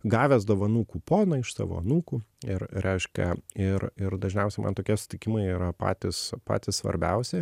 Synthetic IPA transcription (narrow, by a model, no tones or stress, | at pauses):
ɡɑːʋʲɛs̬d̪oːʋɐnuːkuːpoːnɐɪʃsɑ̰ʋo̰ːɐnuːkuːɪrɾʲʔɛɪʃʲkʲɛ̰ɪrɪɾd̪ɐʒʲnʲɛʊsʲɛɪmɐ̰nt̪oːkʲiɛsʊ̥t̪ʲɪkʲɪmɐɪiːɾɐpɑ̰ːt̪ʲɪspɑ̰ːt̪ʲɪssʋɐ̰ɾʲbʲɛʊsʲɪ